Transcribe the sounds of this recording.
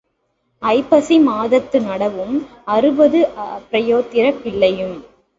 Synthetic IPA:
ɐɪpːɐsimaːðɐt̪ːɯnɐɽɐʋɯm | ɐɾɯbɐðɯpːɾɐjoːt̪ːɪɾɐpːɪɭːɐjɯm

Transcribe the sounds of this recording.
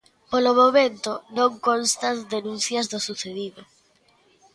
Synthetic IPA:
polomomẽnt̪onõŋkõnst̪and̪enũnθjazðosuθeðiðo

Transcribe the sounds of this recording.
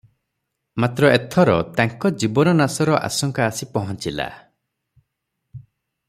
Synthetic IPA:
mat̪ɾɔet̪ʰɔɾɔt̪aŋkɔd͡ʒibɔnɔnasɔɾɔʔa̰sɔŋkaːsipɔɦɔnt͡ʃila̰

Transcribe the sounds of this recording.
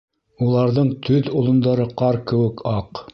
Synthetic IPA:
ulˠɑɾðɤɴt̪ʰɵðŏlˠŏnd̪ɑɾɤqɑɾkɘ̆wɘ̆kɑq

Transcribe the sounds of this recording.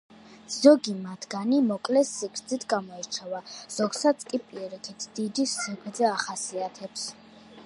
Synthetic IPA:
z̥ɔɡimat̪ʰɡ̥animɔkʼlɛsːikʰɾd̪zit̪ʰɡamɔɛɾt͡ʃʰavaz̥ɔɡsat̪sʰkʼipʼiɛɾikʰit̪ʰd̪̥id̪isɛɡʰɾd̪zɛaχasiat̪ʰɛps

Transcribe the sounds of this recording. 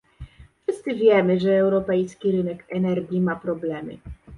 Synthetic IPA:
fʂɘst̪sɘvʲjɛmɘʐɛːwɾɔpɛjskʲiɾɘnɛkɛnɛɾɡʲjimapɾɔblɛmɘ̰

